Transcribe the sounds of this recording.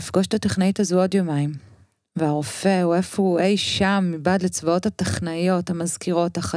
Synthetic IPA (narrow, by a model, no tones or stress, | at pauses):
ifɡoʃtateχnaitazuo̞djo̞maim | veaʁo̞fe̞uefouʔejʃamːibadlet͡svao̞thataχnajo̞thamazkiʁo̞thaχa